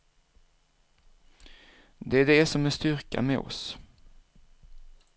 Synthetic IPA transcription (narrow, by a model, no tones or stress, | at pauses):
d̪ɛæɖɛsɔmɛnst̪ʏɾka̰mɛ̰ːɔ̰s